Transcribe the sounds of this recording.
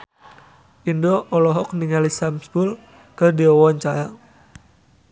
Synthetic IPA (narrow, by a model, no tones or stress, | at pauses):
ʔindɔʔɔlɔɦɔk̚niŋalisamsbul | kərdiɔwɔɲt͡ʃajaŋ